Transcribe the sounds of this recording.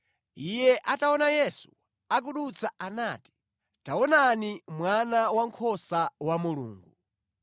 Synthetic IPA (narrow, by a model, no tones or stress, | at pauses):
ijɛʔataɔnajɛsu̥ | ak̬uɗut͡sʰaʔanaːti̥ | taɔnanimwanawaŋkʰɔsawamulṵːŋɡu